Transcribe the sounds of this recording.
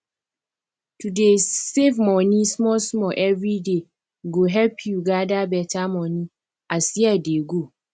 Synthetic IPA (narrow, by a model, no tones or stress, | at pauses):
tudesevmɔ̃nĩsmɔsmɔʔɛvɹide | ɡoɦɛlpʰjuɡadabɛtʰamɔ̃nĩ | asiɛdeɡo